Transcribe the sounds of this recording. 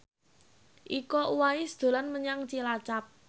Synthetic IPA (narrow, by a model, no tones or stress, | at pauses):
ʔikɔuwaisd̪̥o̤lanməɲaŋt͡ʃilat͡ʃap̚